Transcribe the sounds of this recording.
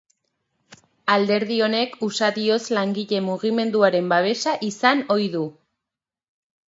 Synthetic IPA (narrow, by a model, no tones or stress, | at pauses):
ald̪e̞ɾð̞io̞ne̞kusaðio̞zlaŋɡiʎe̞muɣime̞nd̪uaɾe̞mbaβ̞e̞ʃaʔisano̞jðu